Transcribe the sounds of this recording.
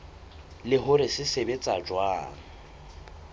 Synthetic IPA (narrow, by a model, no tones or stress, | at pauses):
lɪɦʊɾɪsɪsebet͡sʼad͡ʒwaːŋ̩